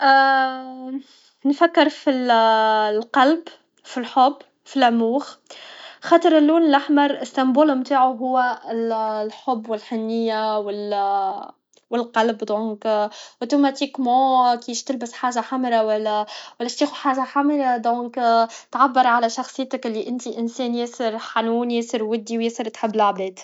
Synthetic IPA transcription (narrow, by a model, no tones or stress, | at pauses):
ʔ | nfækːɪɾfi | lqɑlb | filħobː | filæmuːx | xɑːt̪ˤəɾɪlːuːnɪlʔaħmɑɾˤɪst̪æmbuːlmt̪aːʕuɦʊwːæɪllħobːwɪlħɪnːɪjːawɪl | wɪlqɑlbd̪õːkʔot̪umæt̪ikmɑ̃ːkiːʃt̪ɪlbɪsħaːʒaħamɾawælːæwælːæʃt̪iːxuħaːʒaħamɾad̪ˤõːkt̪ʕabːɑɾˤʕalæʃɑxsˤɨjːt̪əkɪlːiʔɪnt̪iʔɪnsɛːnjɪsəɾħanuːnjɪsəɾwɪd̪ːiwjɪsəɾt̪ħɪbːɪlaʕbɛːd̪̥